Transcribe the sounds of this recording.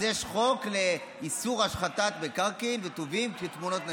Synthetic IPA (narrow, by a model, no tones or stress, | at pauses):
jeʃχo̞kle | isuʁaʃχat̪at̪̚bekaʁkinvet̪ovimket̪muno̞t̪na